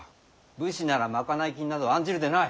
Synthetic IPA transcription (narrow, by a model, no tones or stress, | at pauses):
bɯ̟ɕinaɾamakanaikʲiɲ̟inad̪oãɲd͡ʑiɾɯ̟d̪enai